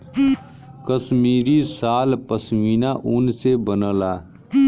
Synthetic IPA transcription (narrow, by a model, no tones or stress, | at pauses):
kəsmiːɾisaːlpəswiːnaʔʊnsebənəːlaː